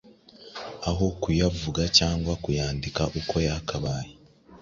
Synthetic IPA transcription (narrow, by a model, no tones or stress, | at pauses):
aɦokujavuɡacaːŋɡwakujaːndikaʔuko̞jakʰaβaːje